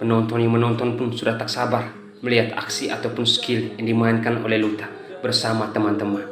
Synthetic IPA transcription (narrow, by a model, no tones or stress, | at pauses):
pənɔnt̪ɔnjaŋmənɔnt̪ɔnpunsudaht̪aksabar | məliɦat̪a̰ksiʔa̰t̪awpunskiljaŋdimainkano̰lɛhlut̪a | bərsamat̪əmant̪əman